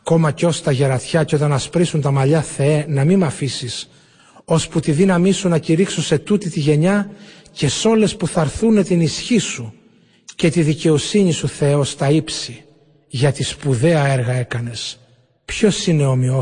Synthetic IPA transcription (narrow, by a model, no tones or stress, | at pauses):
ɐko̞mɐceo̞st̪ɐʝe̞ɾɐt̪çɐceo̞t̪̬ɐnɐspɾisunt̪ɐmɐʎɐθenɐmimɐfisis | o̞sput̪iðinɐmisunɐciɾiksose̞t̪ut̪it̪iʝe̞ɲɐ | ce̞so̞le̞spuθɐɾθune̞t̪inisçisu | ce̞t̪iðice̞o̞siɲisuθe̞o̞st̪ɐipsi | ʝɐt̪ispuðe̞ɐe̞ɾɣɐe̞kɐne̞s | pço̞sine̞o̞mio